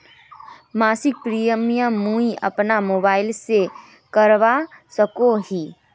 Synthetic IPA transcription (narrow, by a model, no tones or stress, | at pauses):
maːsɪk̚pɾijəmijãmũiɐ̰pnamoːbaːɪlse | kəɾʋasəkoɦiː